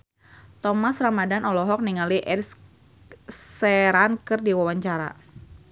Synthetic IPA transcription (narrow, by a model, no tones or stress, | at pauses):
t̪ɔmasramadanɔlɔɦɔk̚niŋaliʔɛrs | sɛɾankɨrdiwawaɲt͡ʃaɾa̰